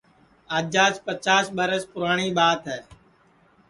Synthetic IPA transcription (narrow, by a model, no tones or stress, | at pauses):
aːd͡ʒaːspət͡ʃaːsɓəɾəspʊɾaːɳ̃iːɓaːt̪ɦɛː